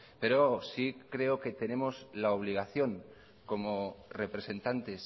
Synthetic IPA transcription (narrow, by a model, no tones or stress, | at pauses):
pe̞ɾosikɾe̞oke̞t̪e̞ne̞mo̞zlaoβ̞liɣ̞aθjo̞ŋ | ko̞more̞pɾe̞se̞nt̪ant̪e̞s